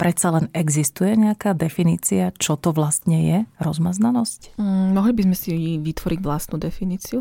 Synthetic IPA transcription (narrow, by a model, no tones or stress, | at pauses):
pɾɛt̪salɛnɛɡzist̪ujɛɲɛakaːd̪ɛfiniːt͡siat͡ʃɔt̪ɔʋlast̪ɲɛjɛɾɔzmaznanɔsc̩mɔɦlibizmɛsiʋit̪ʋɔɾiɟʋlast̪nud̪ɛfiniːt͡siu